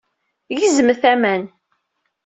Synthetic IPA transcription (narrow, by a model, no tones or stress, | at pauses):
jizəmθæmæn